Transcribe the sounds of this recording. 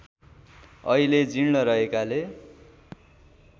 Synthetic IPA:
ʌ̰iled͡ziɽnʌɾʌɦekale

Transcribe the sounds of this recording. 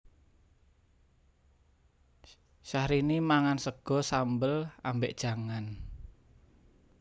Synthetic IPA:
ʃahɾinimaŋansəɡ̥ɔ̤sambəlambeʔd̥ʒ̥a̤ŋan

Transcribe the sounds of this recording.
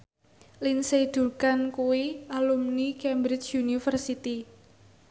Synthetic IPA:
linsed̪̥ukankuwiʔalumnikɛmbɾɪt͡ʃjunifərsit̪i

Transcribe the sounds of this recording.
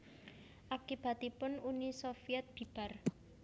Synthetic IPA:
ʔakib̥at̪ipʊnunisofiɛt̪̚b̥i̤b̥ar

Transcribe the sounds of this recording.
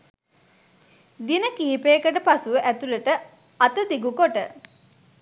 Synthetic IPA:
d̪inəkiːipeːkəʈ̬əpasuʋəʔæt̪uləʈə | at̪əd̪iɡukoʈə

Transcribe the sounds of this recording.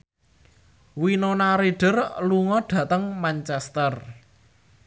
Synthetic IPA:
winonaɾiɖ̥ə̤rluŋɔɖ̥ä̤t̪əŋmant͡ʃɛst̪ər

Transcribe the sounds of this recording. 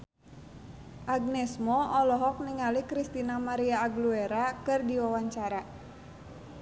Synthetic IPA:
ʔaɡ̚nɛsmɔʔɔlɔɦɔk̚niŋalikɾist̪inamaɾiaːɡlueɾakɨrdiwawaɲt͡ʃaɾa

